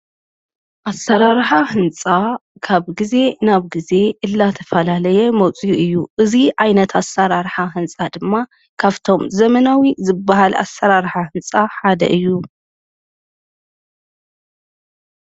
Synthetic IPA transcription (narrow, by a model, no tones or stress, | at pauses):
ʔasːɐɾaɾħahɨnt͡sʼakʰaβɡize̞naβɡize̞ʔɨlːat̪ʰɐ̥fɐlalɐjɛmɐt͡sʼijuɨjːuʔɨziʕajnɐt̪ʰasaɾaɾħaɦɨnt͡sʼad̪ɨmːa | kʰaβt̪ʰo̞mzɐmɐnawizɨbːaɦala̰sːɐɾaɾħahɨnt͡sʼaħad̪ɐ̰ʔɨjːu